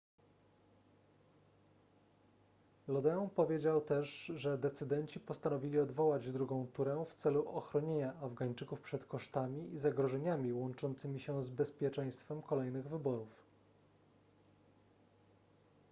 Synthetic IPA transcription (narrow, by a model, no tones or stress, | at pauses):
lɔd̪ɛɔnpɔvʲjed͡ʑawt̪ɛʂʐɛd̪ɛt̪sɘd̪ɛɲt͡ɕipɔst̪anɔvʲilʲiɔd̪vɔwad͡ʑd̪ɾuɡɔ̃w̃t̪uɾɛft̪sɛluʔɔxɾɔɲeɲaʔavɡaɲt͡ʂɘkufpʂɛt̪kɔʂt̪amʲiizaɡɾɔʐɛɲamʲiwɔnt͡ʂɔnt̪sɘmʲiɕɛzbɛspʲjɛt͡ʂɛ̃j̃st̪fɛmkɔlɛjnɘɣvɘbɔɾuf